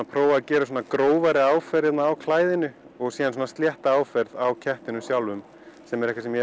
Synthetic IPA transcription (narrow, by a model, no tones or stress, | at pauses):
pʰɾoːwacɛːɾasoːnakɾoːwvaɾɪaːwfɛɾjɛt̪naːwkʰlaːjðɪnʏ | ɔɣsiːðans̬oɔnast̪ljɛht̪aaːwfɛɾðawcʰɛht̪ɪnʏsjawlvʏm | sɛmɛɾɛhkvasɛmjɛ